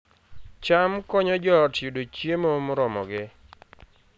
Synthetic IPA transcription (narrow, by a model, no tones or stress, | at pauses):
t͡ʃamkɔɲɔd͡ʒɔtjudot͡ʃjemomʊɾɔmɔɡɪ